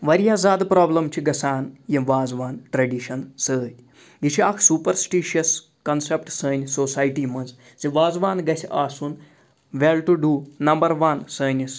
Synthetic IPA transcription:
ʋɐɾjaːzaːd̪pɾaːblɐmt͡ʃʰiɡɐsaːnjiʋaːzʋaːnʈɾɐɖiʃɐnsəːt̪ʲ | jit͡ʃʰiaːkʰsuːpɐɾsʈiːʃɐs | kɐnsep̚ʈsəːnʲsoːsaːjʈiːmɐnz | ziʋaːzʋaːnɡɐsʲaːsun | ʋelʈuɖunɐmbɐɾʋɐnsəːnʲis

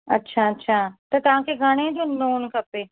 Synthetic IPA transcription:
ɐ̰tːʃʰaətːɕʰaːt̪ɐt̪ɐʋ̤ãːkʰeɡʱaɽ̃ed͡ʑoːnoːnkɐpeː

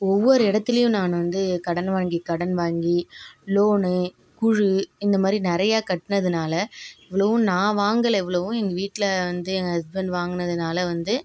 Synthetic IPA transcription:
ɔʋːɔɾɯɪɽɐt̪ːɪlɐjʊ̃naːnɯʋɐnd̪ɯkɐɽɐnʋaːŋɡikɐɽɐnʋaːŋɡiloːnɯ | kʊɻɯɪnd̪ɐmaːd̪ɾinɪɾɐjaːkɐʈːɯnɐðɯnaːlɐɪʋːɐɭɐʋɯ̃nãːʋaːŋɡɐlɐɛʋːɐɭɐʋʊ̃ɛŋɡɐʋiːʈːɪlɐʋɐnd̪ɯɛŋɡɐɐsbɛnɖʋaːŋɡɯnɐðɯnaːlɐʋɐnd̪ɯ

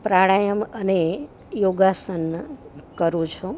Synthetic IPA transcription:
pɾaɽ̃ajəməne | joɡasənkəɾũt͡ʃʰũ

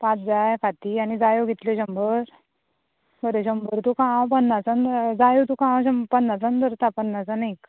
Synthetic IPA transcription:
pãt͡sd͡zajfat̪ianid͡zajoɡit̪leɕəmbəɾ | bəɾeɕəmbəɾt̪ukapənːat͡sənd̪d͡zajot̪ukãɕəmpənːat͡sənd̪əɾt̪apənːat͡sanak

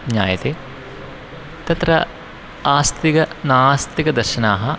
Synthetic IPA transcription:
ɲaːjɐt̪eː | t̪ɐt̪ɾɐ | aːst̪ikɐnaːst̪ikɐd̪ɐɾʃɐnaːɦɐ

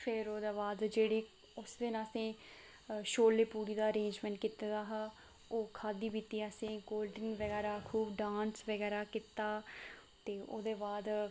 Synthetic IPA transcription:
pʰɪɾoːd̪eːbaːd̪d͡ʒeːɽiː | ʊsd̪ɪnːsẽː | ʃoːlːeːpuːɾiːd̪aːəɾẽːnd͡ʒmɛ̃ɳʈ̚kɪt̪ed̪aːɦa | oːkʰaːd̪iːbit̪iːəsẽːɡoːlɖɪnʋəɡɛːɾaːkʰuːbɖaːnsʋəɡɛːɾaːkɪt̪aː | t̪eːoːd̪eːbaːd̪

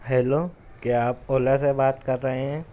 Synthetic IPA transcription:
ɦɛːloː | keaːpoːlasebaːt̪kɐɾːɐɦeɦɛ̃ː

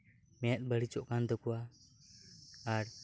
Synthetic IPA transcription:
mɛjat̪̚ˀbəɽit͡ʃɔʔkand̪ɔkuwa | ɾ

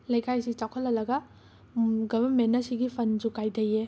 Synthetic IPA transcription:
lɐjkʰajsit͡ʃawkʰɐlːɐlɐɡɐ | ɡɐbɐnmenːɐsiɡipʰɐnd͡ʒukajdɐje

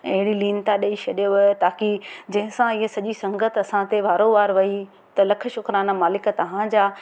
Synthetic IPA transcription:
ɐɦɪɽiliːnt̪aɗɐit͡ʃʰɐɗijoʋt̪aːkid͡ʑɐ̃ɦɪ̃sãɪɦesɐʄisɐ̃ŋɡət̪ʰɐsãt̪eʋaːɾoʋaːɾʋɐi | t̪ɐlɐkʰə̆ʃʊkɾaːnamaːlɪkt̪ɐʋ̤ãd͡ʑaː

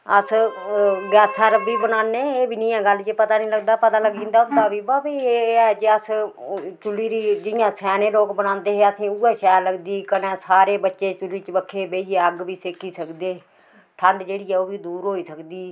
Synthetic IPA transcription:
əs | ɡɛːsʰaːɾbiːbənãːnːeːeːbʱiːnĩːɛ̃ːɡəlːt͡ʃepət̪aːnĩːləɡd̪aːpət̪aːləɡĩːnd̪aːʊd̪aːʋiːbaːbiːeːɛːd͡ʒeəs | t͡ʃʊliːɾiːd͡ʒɪjãːsɛːnẽːloːkbənãːnd̪eːɦeːəsĩːuːɛːʃɛːɾləɡd̪iːkənɛ̃ːsaːɾeːbətːʃeːt͡ʃʊlːiːt͡ʃbəkʰːeːbeːieːəɡʋiːseːkiːsəkd̪eː | ʈʰəɳɖd͡ʒeːɽiːɛːoːbiːd̪uːɾɦoːiːsəkd̪iː

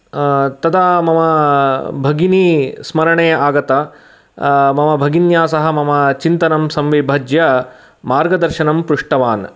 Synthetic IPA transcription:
t̪ɐd̪amɐmɐbʱɐɡinismɐɾɐɳeːaːɡɐt̪ɐ | mɐmɐbʱɐɡinjaːsɐɦɐ̆mɐmɐt͡ʃint̪ɐnɐmsɐmʋibʱɐd͡ʒjɐ | maːɾɡɐd̪ɐɾʃɐnɐmpɾuʂʈɐʋaːn

